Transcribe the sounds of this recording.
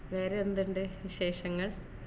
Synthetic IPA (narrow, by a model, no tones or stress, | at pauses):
ʋe̞ːɾeond̪iɳɖeʋiɕe̞ːʂɐŋːɐɭ